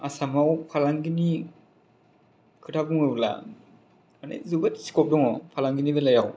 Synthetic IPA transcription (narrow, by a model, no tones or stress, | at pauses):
asamawpʰalaŋɡini | kʰɯtʰabuŋɯbla̰ | ana̰jzuɡatsi̥kʰɔp̚dɔŋɔpʰalaŋɡinibelajaw